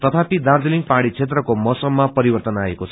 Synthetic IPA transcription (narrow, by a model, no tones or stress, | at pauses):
t̪ʌt̪ʰapid̪ard̪eliŋɡpaɽ̃it͡sʰet̪̬rʌkomʌsʌmːapʌɾibʌrt̪ʌnaekot͡sʰʌ